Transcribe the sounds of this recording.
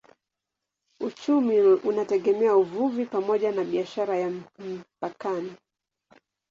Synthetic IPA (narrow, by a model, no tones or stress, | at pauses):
ut͡ʃumiunatɛɠɛmɛauvuvipamɔʄanaɓiaʃaɾajam̩pakani